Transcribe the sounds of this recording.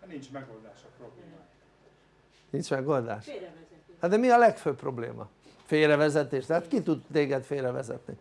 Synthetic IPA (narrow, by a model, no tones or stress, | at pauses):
nint͡ʃmɛɡold̪aːʃɒpɾobleːma | nint͡ʃmɛɡo̞ld̪a̰ːʃ | hɒd̪ɛmiɒlɛkføːppːro̞blḛːmɒ̰ | feːɾɛvɛzɛt̪eːʃt̪ɛɦat̪kit̪ud̪t̪eːɡɛt̪feːɾɛvɛ̰zɛ̰t̪nḭ